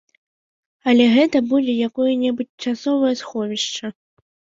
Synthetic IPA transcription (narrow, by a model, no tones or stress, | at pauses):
ɐlʲɛɣɛt̪ɐbud͡zʲɛjakɔjɐnʲɛbut͡sʲt͡ʂasɔvɐjɐsxɔvʲiʂt͡ʂɐ